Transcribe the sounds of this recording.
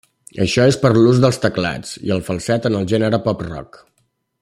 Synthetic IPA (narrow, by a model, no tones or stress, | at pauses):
əʃɔespəɾluzðəlˠst̪əkla̰t͡sḭəlˠfəlˠsɛt̪ənəlˠʒɛnəɾəpɔprɔ̰k